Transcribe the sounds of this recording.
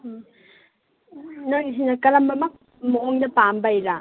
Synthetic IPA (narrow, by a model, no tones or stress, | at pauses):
naisinɐkɐlɐmbɐmɐk̚ | mɔɔŋdɐpambajɾa